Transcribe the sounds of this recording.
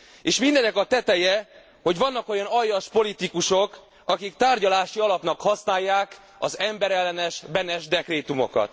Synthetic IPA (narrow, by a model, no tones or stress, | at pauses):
eːʃmind̪ɛnːɛkɒt̪ɛt̪ɛjɛ | ho̞ɟʋɒnːɒko̞jɒnɒjːɒʃpo̞lit̪ikuʃo̞k | ɒkikt̪aːrɟɒlaːʃiɒlɒpnɒkhɒsnaːjːaːk | ɒzɛmbɛɾɛlːɛnɛʃbɛnɛʒd̪ɛkreːt̪umo̞̰kɒ̰t̪